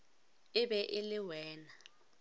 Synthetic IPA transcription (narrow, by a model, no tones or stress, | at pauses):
ɪbɛʔɪlɪwɛːna